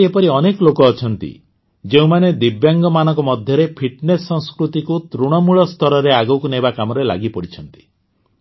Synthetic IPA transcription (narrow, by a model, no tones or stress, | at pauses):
epɔɾiɔnekɔlokɔːt͡ʃʰɔnt̪ḭ | d͡ʒeũmaned̪ibjaŋɡɔmanɔ̃ŋkɔmɔd̪ʱjɔɾepʰiʈnesːɔ̃ŋskɾut̪ikut̪ɾuɽ̃ɔmuɭɔst̪ʰɔɾɔɾeaɡɔwkunebakamɔɾela̰ɡipɔɽit͡ʃʰɔnt̪i̥